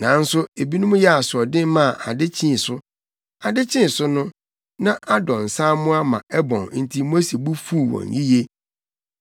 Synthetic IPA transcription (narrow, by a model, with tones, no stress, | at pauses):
nã˨˦n̩˦sʊ˦e˨bi˦nʊ̃˦mʊ̃˦jɛ˦a˨sʊ˨ɔ˨dɪ̃˦m˦mã˦˨ʔa˨dɪ˦t͡ɕʰĩ˦˨sʊ˦ | a˨dɪ˦t͡ɕʰɪ̃˦˨sʊ˦nʊ̃˦ | nã˦ʔa˦dɔ̃˨n̩˨sãː˦mʊ̃˦a˦mã̰˨ɛ˦bɔ̃˨ŋ˦n̩˦tʰi˦mo˦si˨bu˦fuː˦˨wɔ̰̃˨nji˦je˦